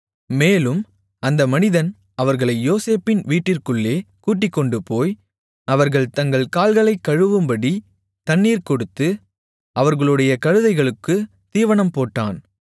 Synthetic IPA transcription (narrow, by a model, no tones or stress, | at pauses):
meːlɯm | ɐnd̪ɐmɐnɪðɐn | ʔɐʋɐɾɣɐɭɐɪjoːseːpːɪnʋiːʈːɪrkɯɭːeːkuːʈːɪkːɔɳɖɯpoːj | ɐʋɐɾɣɐɭt̪ɐŋɡɐɭkaːlɣɐɭɐɪkːɐɻɯʋɯmbɐɽi | t̪ɐnːiːɾkɔɽɯt̪ːɯ | ʔɐʋɐɾɣɐɭɯɽɐjɐkɐɻɯðɐɪɣɐɭɯkːɯ | t̪iːʋɐnɐmpoːʈːa̰ːn